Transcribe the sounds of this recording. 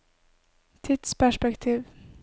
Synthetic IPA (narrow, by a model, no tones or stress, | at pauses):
t̪ʰɪt̪spʰæʂpɛkt̪ʰiːv